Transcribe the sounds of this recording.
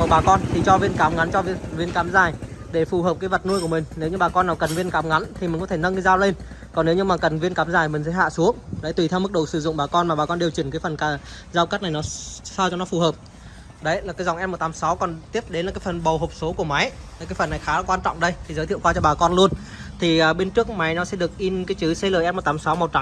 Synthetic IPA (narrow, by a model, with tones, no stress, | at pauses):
kɔ̰˨˧˩ɓaː˨˩kɔ˧nt̪ʰi˨˩t͡ɕɔ˧vi˧ənkaː˨˦mŋa˨˦nt͡ɕɔ˧vi˧vi˧ənkaː˨˦mzaː˨˩jɗe˧˩fu˨˩həː˨˩p̚kaː˨˦jvə˨˩t̚nu˧jku˧˩əmï˨˩ŋ̟ne˨˦wɲɨ˧ɓaː˨˩kɔ˧nːaː˨˩wkə˨˩nvi˧ənkaː˨˦mŋa˨˦nt̪ʰi˨˩mï̟˨˩kɔ˨˦t̪ʰe˧˩nə˧nkə˨˦zaː˧wle˧n | kɔ˨˩nːe˨˦wɲɨ˧ŋmaː˨˩kə˨˩nvi˧ənkaː˨˦mzaː˨˩jmï̟˨˩sɛ̰˧˥˦ɦa̰ː˧˨su˨˦əŋɗə˨˦t̪wi˨˩t̪ʰɛ˧wmɨ˦˥k̚ɗə˨˩wsɨ˧˩zʊ̰˧˨ŋ͡mɓaː˨˩kɔ˧nmaː˨˩ɓaː˨˩kɔ˧nɗe˨˩əwt͡ɕi˧˩ŋkaː˨˦jfə˨˩nkː | zaː˧wka˦˥t̚na˨˩jnɔ˨˦saː˧wt͡ɕɔ˧nɔ˨˦fu˨˩ɦəː˨˩p̚ | ɗə˨˦jlaː˨˩kaː˨˦jzwŋʔɛ˧mo˨˩t̚t̪aː˨˦msa˨˦wkɔ˨˩nt̪i˦˥əp̚ɗe˨˦nlaː˨˩kːaː˨˦jfə˨˩nɓə˨˩wɦo˨˩p̚so˨˦ku˧˩əma˨˦ja˨˩kaː˨˦jfə˨˩nːa˨˩jxaː˨˦la˨˧˩kwaː˧nt͡ɕɔ̰˧˨wŋ͡mɗə˧jt̪ʰi˨˩zə˨˦jt̪ʰi˧˨wkwaː˧t͡ɕɔ˧ɓaː˨˩kɔ˧nlu˧ən | t̪ʰi˨˩ʔəː˨˩ɓe˧nt͡ɕɨ˦˥ək̚ma˨˦jnɔ˨˦sɛ̰˧˥ɗɨ˨˩ək̚ʔi˧nkaː˨˦jt͡ɕɨ˨˦sɛ˧ləː˨˩ʔɛ˧mo˨˩t̪aː˨˦msa˨˦wm˨˩t̚t͡ɕa˨˦